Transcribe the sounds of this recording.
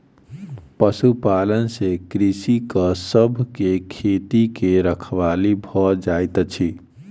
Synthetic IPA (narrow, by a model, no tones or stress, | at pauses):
pəsupalənsekɾisikəsəbʱkekʰet̪ikeɾəkʰʋalibʱɔd͡ʒajt̪t͡ʃʰi